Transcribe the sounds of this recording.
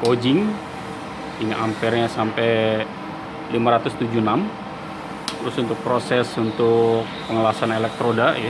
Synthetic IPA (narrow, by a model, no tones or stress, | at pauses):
kod͡ʒɪŋ | iniʔampɛrɲasampɛj | limaɾat̪ʊst̪ud͡ʒunam | t̪ɾʊsunt̪ʊk̚pɾosɛsunt̪ʊk̚pəŋəlasanelɛk̚t̪ɾodaja